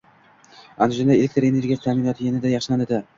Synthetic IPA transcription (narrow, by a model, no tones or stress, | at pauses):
anʒɪnaelekʲt̪ɪɾene̞ɾɡʲijast̪ʰamɪnɒt̪ʰjenɪd̪ajɑχʃɪlanɪd̪ɪ